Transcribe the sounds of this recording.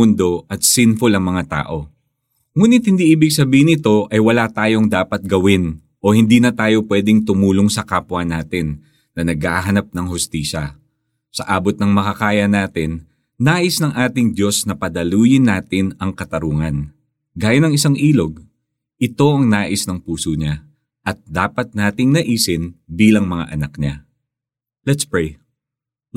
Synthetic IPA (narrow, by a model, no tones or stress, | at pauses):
ʊnd̪o̞ʔɐt̪̚sɪnfolɐŋmɐŋat̪a̰ːʔo̞ | ŋuːnɪt̪̚hɪnd̪iːʔiːbɪɡsɐbiːhɪnɪt̪o̞ʔɐjwɐlat̪aːjo̞ŋd̪aːpɐt̪̚ɡɐwɪn | ʔo̞hɪnd̪iːnɐt̪aːjo̞pwɛːd̪ɪŋt̪ʊmuːloŋsɐkaːpwɐnaːt̪ɪnː | ɐnɐɡaɦɐnap̚nɐŋhʊst̪iːʃɐ | sɐʔaːbot̪̚nɐŋmɐkɐkaːjɐnaːt̪ɪnː | aːʔɪsnɐŋʔaːt̪ɪŋd̪jo̞snɐpɐd̪ɐluːjɪnːaːt̪ɪnɐŋkɐt̪ɐɾuːŋɐn | ɡaːjɐnɐŋɪsaŋʔiːlo̞ɡ̚ | ʔɪt̪o̞ʔɐŋnaːʔɪsnɐŋpuːsoɲa | ʔɐt̪̚d̪aːpɐt̪̚naːt̪ɪŋnɐʔiːsɪnbiːlɐŋmɐŋa̰ʔɐnɐkɲa | lɛt̪spɹɛj